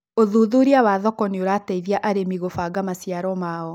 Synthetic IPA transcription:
oðuðuɾiawaðɔkɔneoɾataiðjaʔaɾemiɣofaɡamasjaɾɔmaːɔ

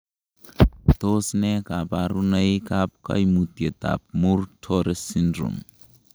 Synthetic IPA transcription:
t̪osnɛkabaɾunəikap̚ka̰jmut̪iet̪a̰p̚muɾtʰoɾesindɾṵm

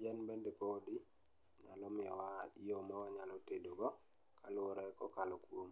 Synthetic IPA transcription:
d͡ʒɛnbendepodi | ɲa̰lɔmɪɔwaiomawaɲalɔtedoɡɔ | kalʊɾɛkɔkalɔkwom

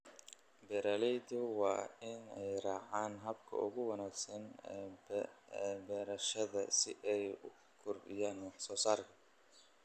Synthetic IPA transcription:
bɛːɾaːlɛjd̪ʊwɑːɪnɛjrɑːʕaːnɦɐbkʰɐ̰ʔʊ̰ɣʊwɐnaːɡsɐn | bɛːɾɐʃɐðɐsɪʔɛjʊ | kʰʊrdɪ̰jaːnwɑħsɔːsaːrkʰɐ̥

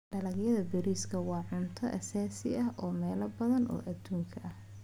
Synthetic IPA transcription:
ɖɐlɐɡjɐðɐbɛɾiːskʰɐwɑːʕʊnt̪ʰɔʔɐsaːsɪɐɦʔɔːmɛːlɐbɐðɐnʔɔ̰ːʔɐd̪̥uːŋkʰɐʔɐh

